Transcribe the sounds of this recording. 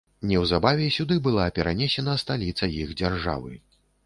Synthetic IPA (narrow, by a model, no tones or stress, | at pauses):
nʲɛwzabavʲɛsʲud̪ɨbɨlˠapʲɛɾanʲɛsʲɛnɐst̪alʲit̪sɐjixd͡zʲarʐa̰vɨ̰